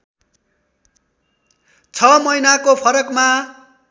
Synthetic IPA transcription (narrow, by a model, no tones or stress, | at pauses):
t͡sʰʌmʌjnakopʰʌɾʌkma